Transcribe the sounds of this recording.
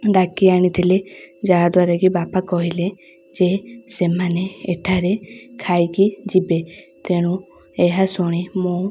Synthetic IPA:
ɖakiaɽ̃it̪ʰile | d͡ʒaɦad̪waɾaɡibapakɔɦile | d͡ʒesemaneːʈʰaɾekʰajɡid͡ʒibe | t̪eɽ̃u | ɛɦasɔɽ̃imɔ̃

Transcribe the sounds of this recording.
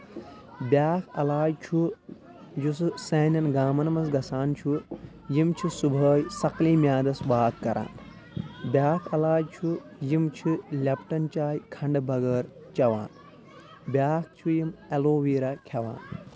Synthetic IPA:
bjaːkʰɐ̰laːjt͡ʃʰu | jusseːnʲɐnɡaːmɐnɐmɐsɡɐsaːnt͡ʃʰu | jimt͡ʃʰisubʱəːjsɐkliːmʲjaːd̪ɐsʋaːkːɐɾʔa̰ːn | bjaːkʰɐlaːjt͡ʃʰujimt͡ʃʰilʲɐpʈɐnt͡ʃaːjkʰɐɳɖbʱɐɡɐːɾ | t͡ʃɐʋa̰ːn | bʲjaːk̚ʰt͡ʃʰujimeloːʋiːɾɐkʲʰɐʋa̰ːn

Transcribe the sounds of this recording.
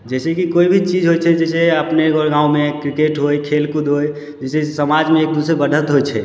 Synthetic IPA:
d͡ʒɛsekikoibʱit͡ʃid͡ʒɦojt͡ʃʰɛd͡ʒɛseəpneɡɔɾɡãũmekɾikeʈɦojkʰelkud̪ʱɦoj | d͡ʒɛsesəmad͡ʒmẽːk̚d̪usebəɖʱət̪ɦojt͡ʃʰɛ̰

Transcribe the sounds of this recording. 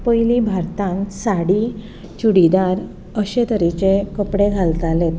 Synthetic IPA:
pəjlibʱaɾt̪ãnsaɽi | t͡ɕuɽid̪aɾ | əɕet̪əɾit͡ɕekəpɽeɡʱalt̪alet̪

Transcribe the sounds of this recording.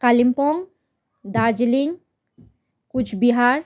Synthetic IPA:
kalimpɔŋ | d̪aɾd͡ʒiliŋ | kut͡ʃʰbiɦaɾ

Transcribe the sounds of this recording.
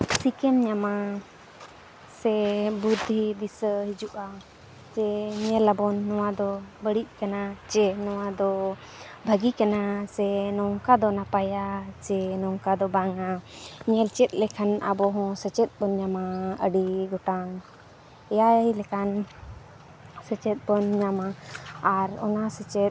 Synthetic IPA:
sikɛmɲama | sɛbud̪ʱːid̪isəhid͡ʒuʔa | t͡ʃɛɲɛlabɔnːɔwad̪ɔbəɽiʔ̚kanat͡ʃɛnɔwad̪ɔ | bʱəɡikanasɛnɔŋkad̪ɔnapajat͡ʃɛnɔŋkad̪ɔbaŋaɲɛlt͡ʃɛt̪̚ˀlɛkʰana̰bɔɦɔ̃sət͡ʃɛt̪̚bɔnɲamaəɖiɡɔʈaŋ | ɛjajlɛkan | sət͡ʃɛt̪̚bɔnɲamaː | ɾɔ̰nasɛt͡ʃɛt̪̚

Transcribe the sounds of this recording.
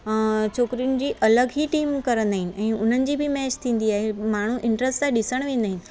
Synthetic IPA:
t͡ɕʰoːkɾijʊnɪ̆d͡ʑiːʔɐləɡɦiʈiːmkɐɾə̃nd̪aːɦɪnɪ̆ʔɛ̃ːʊn̤ənɪ̆d͡ʑiːbʱɪmɛːt͡ɕt̪ʰĩːn̆d̪iaːɦemaːɳ̤uʔɪ̃ɳʈɾəsʈaɗɪsəɽ̃ʋẽːn̆d̪aːɦɪnɪ̆

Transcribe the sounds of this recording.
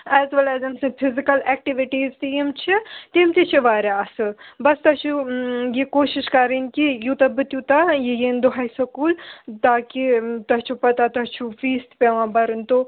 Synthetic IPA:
ɛːzʋɐlɛːzɐmsɐpʰɪzikɐlɛːk̚ʈiʋiʈiːzt̪imt͡ʃʰit̪imt̪it͡ʃʰiʋaːɾaɐsɨbɐst̪ɐt͡ʃʰujekoːʃiʃkɐɾinkijut̪ɐbɨt̪jut̪ajejend̪oɦajsɐkuːlt̪aːkit̪ɐt͡ʃʰupɐt̪at̪ɐt͡ʃʰuʋiːst̪peʋãːbɐɾɨnt̪o

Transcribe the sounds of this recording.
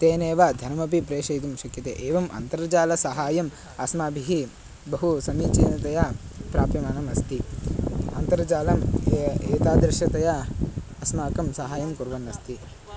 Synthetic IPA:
t̪eːneːʋad̪ʱɐnɐmɐp̬ipɾeːʃɐjt̪umʃɐkjɐt̪ḛːʔeːʋɐmʔɐ̰nt̪ɐɾɐd͡ʒaːlɐsɐɦaːjɐm | ɐsmaːbʱiɦi | bɐɦusɐniːt͡ʃiːnɐt̪ɐjɐpɾaːpimaːnɐmɐst̪i | ɐ̰nt̪ɐɾɐd͡ʒaːlɐmeːt̪aːd̪ɾɪʃjɐt̪ɐjɐɐsmaːkɐmsɐɦaːjɐmkuɾʋɐnːɐst̪i

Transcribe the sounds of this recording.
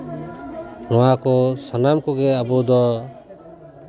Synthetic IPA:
nɔwakɔsanamkɔɡeabɔd̪ɔ

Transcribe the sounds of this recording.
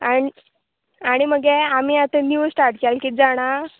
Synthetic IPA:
ai | aɽ̃iməɡeam̤iat̪əniʋəsʈaʈkalkiːt̪̚d͡zaɽ̃a

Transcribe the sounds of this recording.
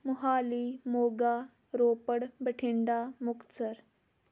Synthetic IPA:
mʊɦaːliːmoːɡaː | ɾoːpəɽbəʈʰɪɳɖaːmʊkt̪səɾ

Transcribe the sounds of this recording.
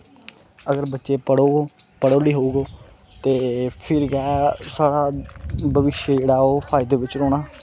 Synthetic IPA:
əɡəɾbətːʃeːpəɽoːoːpəɽoːliːɦouːɡoː | t̪eːpʰɪɾɡɛːsaːɽaːbəʋɪʃjəd͡ʒeːɽaːoːpʰaːɪd̪eːʋɪt͡ʃɾoːɽaː

